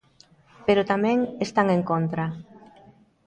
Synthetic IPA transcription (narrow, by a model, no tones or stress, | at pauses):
peɾot̪amɛ̃ŋest̪aŋeŋkont̪ɾa